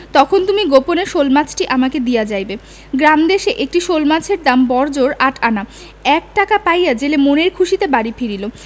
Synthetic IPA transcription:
t̪ɔkʰont̪umiɡoponeʃolmat͡ɕʰʈiʔamaked̪ijad͡ʑajbe | ɡɾamd̪eʃeʔek̚ʈiʃolmat͡ɕʰeɾd̪ambɔɾd͡ʑoɾaʈʰana | ɛk̚ʈakapajjad͡ʑelemoneɾkʰuʃit̪ebaɽifiɾilo

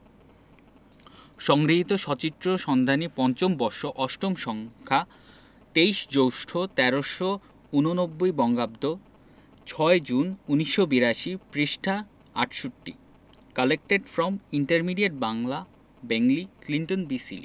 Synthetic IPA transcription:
ʃɔŋɡɾiɦit̪oʃɔt͡ɕit̪ɾoʃɔnd̪ʱanipɔnt͡ɕombɔɾʃoʔɔʃʈomʃɔŋkʰa | t̪ejʃd͡ʑowʃʈʰot̪ɛɾoʃo | unonobːojbɔŋɡab̚d̪o | t͡ɕʰɔed͡ʑununiʃːobiɾaʃipɾiʃʈʰa | a̰ʈʃoʈːḭ | kalek̚ʈeɖfɾɔmiɳʈaɾmiɖieʈ̚baŋla | bɛŋlikliɳʈonbisḭlḭ

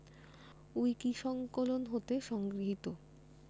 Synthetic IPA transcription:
ujkiʃɔŋkolonɦot̪eʃɔŋɡɾiɦit̪o

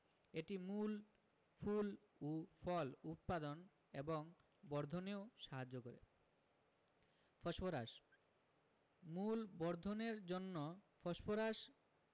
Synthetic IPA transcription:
eʈimul | ful | ufʰɔlut̪̚pad̪on | eboŋ | bɔɾd̪ʱoneoʃaɦad͡ʑːokoɾḛ | fʰɔʃfoɾaʃ | mulbɔɾd̪ʱoneɾd͡ʑonːofɔʃpoɾaʃ

